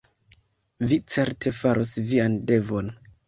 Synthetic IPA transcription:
vit͡se̞ɾtʰe̞faɾʔosviande̞vo̞n

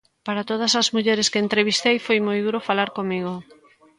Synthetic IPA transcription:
paɾat̪oð̞ɐsazmuʎeɾeskeːnt̪ɾeβist̪ejfojmojðuɾofalaɾkomiɣ̞o

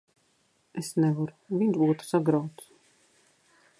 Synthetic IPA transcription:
esnɛvaɾuvinʲzbuːt̪u̥saɡɾawt̪s

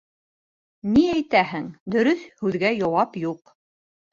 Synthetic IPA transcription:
niæjt̪æhɘŋd̪ɵ̆ɾɵθhʉðɡæjɑwɑpjuq

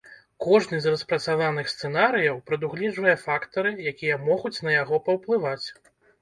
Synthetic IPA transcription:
kɔʐnɨzrɐspɾɐt̪savanɨxst̪sɛnaɾɨjɐwpɾɐd̪uɣlʲɛʐvɐjɛfakt̪ɐɾɨjakʲijɐmɔɣut͡sʲnɐjaɣɔpɐwplˠɨvat͡sʲ

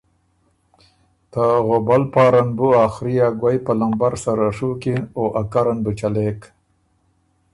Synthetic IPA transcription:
t̪aɣobalpɑːɾanbuaːxɾijaɡwajpalambaɾsaɾaʂukioʔakaɾanbət͡ʃalek

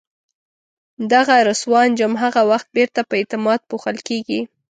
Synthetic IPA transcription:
d̪aɣaɾʊswɑnd͡ʒʊmɦaɣawaxt̪̚beɾt̪apəet̪ɪmɑd̪̚puxəlkeɡi

